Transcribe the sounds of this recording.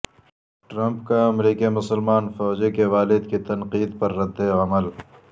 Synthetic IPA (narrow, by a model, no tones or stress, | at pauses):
ʈɾɐ̃mpkaɐmɾiːkimʊsəlmaːnfɔːd͡ʒekeʋaːlɪd̪kit̪ɐnqiːd̪pɐɾːɐd̪eɐməl